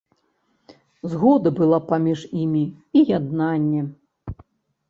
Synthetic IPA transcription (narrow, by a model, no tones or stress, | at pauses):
zɣɔd̪ɐbɨlˠapamʲiʐimʲi | ijad̪nanʲːɛ